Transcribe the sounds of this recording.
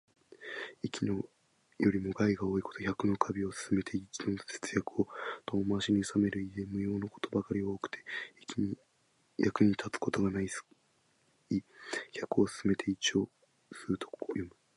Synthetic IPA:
ikʲino | jo̞ɾʲimo̞ɡaiɡao̞ːiko̞t̪o̞çakɯ̟no̞kʰabʲio̞sɨ̥sɨme̞t̪ʰeit͡ɕid̪osɨ̥t͡sɨ̥jakɯ̟o̞t̪omomaɕiɲ̟iɯsame̞ɾɯ̟id̪ẽ̞mɯ̟jo̞ːno̞ko̞̥t̪o̞bakaɾʲioːkɯ̟̥t̪ʰe̞̥ | jʔakɯ̟ɲ̟it̪ʰat͡sɨ̥ko̞t̪o̞ɡanais | içakɯ̟o̞sɨ̥sɨme̞t̪ʰe̞it͡ɕio̞ː | sɨɯt̪okojo̞mɯ̟

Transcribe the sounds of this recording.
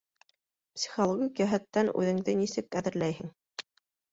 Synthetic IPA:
psʲi̥χolˠoɡʲikjæɦæt̪ːænʉ̰ðɘ̆ŋðɘnisɘkæðɘ̆ɾlæjhɘŋ

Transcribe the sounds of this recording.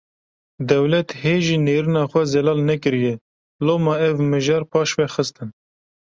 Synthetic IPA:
d̪ɛwlɛt̪heːʒiːneːɾɨnɑːxʷɛzɛlɑːlnɛkɨɾijɛ | loːmɑɛvmɨʒɛɾpʰɑːʃvɛxɨst̪ɨn

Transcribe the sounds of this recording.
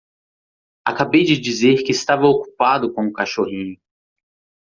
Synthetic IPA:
a̰kabejd͡ʒɪd͡ʒizeɾkɪst̪avɐoku̥pad̪ʊkõũkaʃoɦĩɲʊ

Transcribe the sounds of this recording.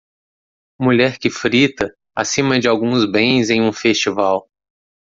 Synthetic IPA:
muʎɛɾkɪfɾit̪ɐ | a̰sĩmɐd͡ʒɪawɡũzbẽj̃zẽj̃ũfest͡ʃivaw

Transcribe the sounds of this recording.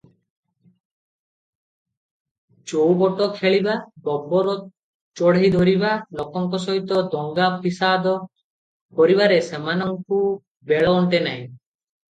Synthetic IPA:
t͡ʃowbɔʈɔkʰeɭibabɔbɔɾɔ | t͡ʃɔɽɦid̪ʱɔɾibalɔkɔŋkɔsɔɦit̪ɔd̪ɔŋɡapʰisad̪ɔ | pɔɾiβaɾesemanɔŋku | beɭɔːɳʈenaj̃

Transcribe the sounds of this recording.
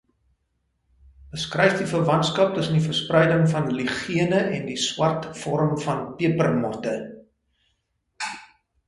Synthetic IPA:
bəskrɛjfdifərvɐntskɐp̚təsəndifərsprɛjdəŋfɐnliχiənəʔɛndiswɐrtfɔɾəmfɐnpiəpərmɔrtə

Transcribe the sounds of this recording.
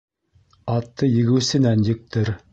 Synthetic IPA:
ɑt̪ːɤjɘ̆ɣɘ̆wsɘ̆nænjɘ̆k̚t̪ʰɘɾ

